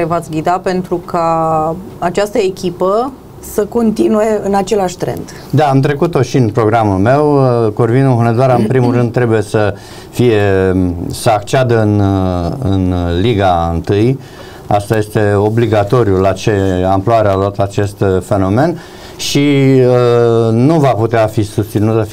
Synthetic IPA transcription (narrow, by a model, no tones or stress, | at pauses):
evat̪sɡʲid̪ape̞nt̪ɾukʰa | at͡ʃast̪əekʲipə | səko̞nt̪inuje̞ɨnat͡ʃe̞laʃt̪ɾe̞̰nd̪ | d̪aːmt̪ɾe̞kut̪o̞ʃinpɾo̞ɡɾamulme̞wkorvinuɦoned̪aɾaɨnpɾimuɾɨnd̪t̪ːɾe̞buje̞sə | fije̞ | səakt͡ʃead̪əɨn | ɨ̰nliɡaɨ̰nt̪ɨj | ast̪aje̞st̪e̞o̞bliɡat̪o̞ɾjulat͡ʃe̞amploaɾealuat̪at͡ʃe̞st̪fe̞no̞me̞n | ʃiənuvaput̪eafisust̪sinut̪sə